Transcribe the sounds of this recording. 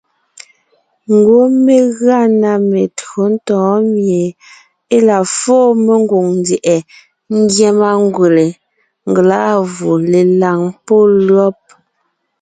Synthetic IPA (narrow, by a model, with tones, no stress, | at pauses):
ŋ̩˨ɡwo˨˦me˨ɣa˦˨na˨me˨tɣo˨˦n̩˦tɔ̃ː˨˦mje˨ | e˦la˨fɔː˦me˦ŋ˦ɡo˨ŋn˨˦djɛ˨ʔɛ˨ | n̩˦djɛ˦ma˦ŋ˦ɡwe˨le˨ | ŋ̩˨ɡla˦ʔvu˨le˨la˨ŋpo˦lɰɔ˦p̚